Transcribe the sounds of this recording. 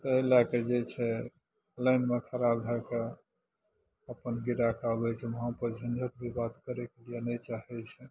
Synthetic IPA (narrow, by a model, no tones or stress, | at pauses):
t̪əɦilaked͡ʒet͡ʃʰɛ | ləɪnmekʰəɾabɦɛke | əpənɡiɾakabɛt͡ʃʰɛməɦãpəd͡ʒʱənd̪ʱət̪̚bʱibat̪kəɾekelijenɛt͡ʃaɦɛt͡ʃʰɛ